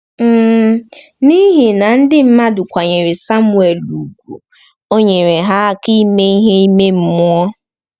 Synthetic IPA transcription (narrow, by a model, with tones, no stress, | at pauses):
m̩˨ | ni˦ɦi˨na˨n̩˦dɪ˦m̩˦ma˦dʊ˨kʷa˨ɲe˨ɾɪ˨sa˦mʊ˦˨e˨lu˨ɡʷu˨ | o˦ɲe˨ɾe˨ɦa˦a˨ki˦me˦i˦ɦe˦i˦me˦m̩˦mʊ˦ɔ˦